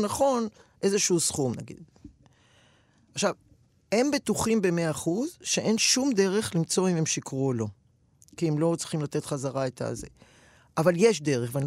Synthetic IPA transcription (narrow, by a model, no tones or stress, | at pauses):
naχo̞nʔe̞zeʃuusχumna̰ɡḭd̪ | aχʃav | he̞mbet̪uχimbe̞meaaχuzʃeʔe̞nʃumd̪eʁe̞χlimt͡so̞ime̞mʃikʁulo̞ | kiemlo̞t͡sʁiχimlat̪e̞t̪χazaʁaet̪a̰zḛ | ʔavalje̞ʃd̪e̞ʁeχvean